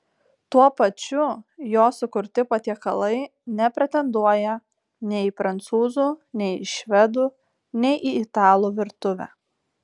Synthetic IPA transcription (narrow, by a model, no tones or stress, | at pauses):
t̪uɔpɐt͡ʃʲʊjoːsʊkʊɾʲt̪ʲɪpɐt̪ʲiɛkɐlˠɐɪnʲɛpʲɾʲɛt̪ʲɛnd̪uɔjɛ | nʲɛɪɪpɾɐnt̪suːzuːnʲɛɪɪʃʲʋʲɛd̪uː | nʲɛɪʔɪɪt̪ɑːlˠuːʋʲɪɾt̪ʊʋʲæ̰